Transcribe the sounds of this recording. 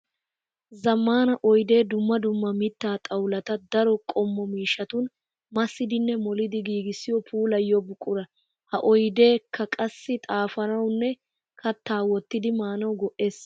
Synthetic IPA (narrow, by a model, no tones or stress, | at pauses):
zɐmːaːnɐʔɔjd̪e̞ːd̪ʊmːɐd̪ʊmːɐmɪt̪ːaːt̪ʼɐwlɐt̪ɐd̪ɐɾɔkʼɔmːɔmiːʃɐt̪ʊn | mɐsːɪd̪ɪnːɛmɔlɪd̪ɪɡiːɡɪsːɪjɔpʰuːlɐjːɔbʊkʼːʊɾɐ | hɐʔɔjd̪e̞ːkʰːɐkʼɐsːɪt̪ʼaːfɐnɐwnːɛ | kʰɐt̪ːaːwɔt̪ːɪd̪ɪmaːnɐwɡɔʔe̞ːs